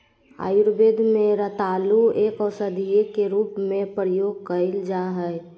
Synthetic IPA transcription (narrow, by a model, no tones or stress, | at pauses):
a̰ːjʊɾbeːd̪mẽɾət̪aːlueːkɔːsəd̪ʱijekeɾuːpmẽpɾəjoːɡ̚kəɪld͡ʒaɦɛɛ